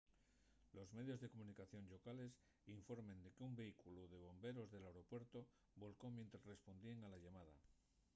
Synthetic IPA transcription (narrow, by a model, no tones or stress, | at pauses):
lo̞zme̞ðjo̞zðe̞ko̞munikaθjo̞nʎo̞kale̞s | iɱfo̞ɾmẽ̞nd̪e̞keumbe̞ikuluðe̞β̞o̞mbe̞ɾo̞zðe̞lawɾo̞pwe̞ɾt̪o̞ | bo̞lko̞mje̞nt̪ɾazre̞spo̞nd̪ieŋalaʝamað̞a̰